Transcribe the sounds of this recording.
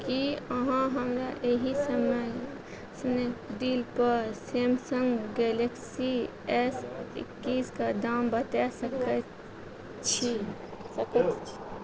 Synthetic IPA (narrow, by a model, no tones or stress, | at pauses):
kiəɦãɦəmɾaʔeɦisəməj | sned̪iːlpəɾsemsə̃ŋɡɡɛːleksi | ɛsɪ̰kːiskad̪aːmbət̪asəkə | t͡ʃʰi | səkət͡ʃʰ